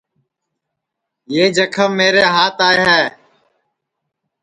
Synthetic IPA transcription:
jeːd͡ʒəkʰəmːeːɾeːɦaːt̪aːeːɦɛː

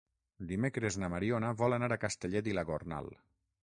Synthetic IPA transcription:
d̪imekɾeznamaɾionaβɔlanaɾakast̪eʎɛd̪ilaɣorna̰lˠ

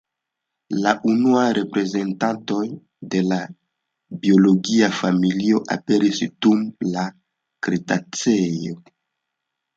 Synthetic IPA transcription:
laʔunuajɾʔe̞pɾe̞ze̞ntanto̞j | de̞la | bio̞lo̞ɡiafamilio̞ʔa̰pe̞ɾisd̥umla | kɾitat͡sejo̞

